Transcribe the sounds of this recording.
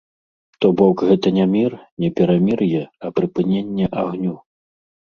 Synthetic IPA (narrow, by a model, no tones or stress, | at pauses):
t̪ɔbɔkɣɛt̪ɐnʲɛmʲirnʲɛpʲɛɾamʲirjɛɐpɾɨpɨnʲenʲːɛʔaɣnʲu